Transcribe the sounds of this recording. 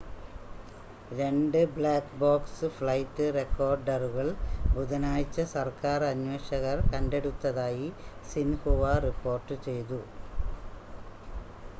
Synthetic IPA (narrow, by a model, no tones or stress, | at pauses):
ɾe̞ɳɖɨbɭaːkboːksɨfɭɐjtːɨre̞kːo̞ːrɖɐruɣɐɭbuðɐnaːjt͡ɕːɐsɐrkaːrɐɲwe̞ːɕɐɣɐrkɐnde̞ɽut̪ːɐðaːjisinhuʋɐripːo̞ːrʈːɨt͡ɕe̞jt̪u